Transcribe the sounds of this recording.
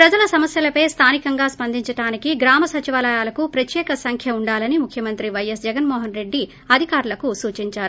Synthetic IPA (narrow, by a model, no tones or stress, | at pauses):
pɾɐd͡ʒɐlɐsɐmɐsjɐlɐpɐjst̪ʰaːnikɐŋɡaːspɐnd̪iɲt͡ʃɐʈaːnikiɡɾaːmɐsɐt͡ʃiʋaːlɐjaːlɐkupɾɐt̪jɛːkɐsɐŋkʰjɐuɳɖaːlɐnimukʰjɐmɐnt̪ɾiʋɐjɐsd͡ʒɛɡɐnmoːɦɐnɾe̞ɖːi | ɐd̪ʱikaːɾulɐkusuːt͡ʃiɲt͡ʃaːɾu